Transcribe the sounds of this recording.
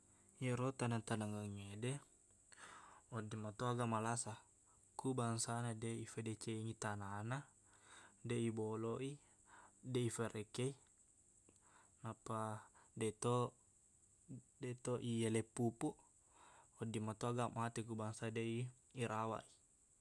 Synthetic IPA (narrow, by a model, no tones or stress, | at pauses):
jiɾot̪anat̪anaŋaŋede | ɔdːimat̪oaɡamalasa | kubaŋsanadeifedɛt͡ʃeiŋit̪anana | dɛiboloʔi | dɛifeɾʔɛkei | napadɛt̪o | dɛt̪oʔielepupu | ɔdːimat̪oaɡaʔmat̪ɛkubaŋsadeiː | ɾawa̰ʔi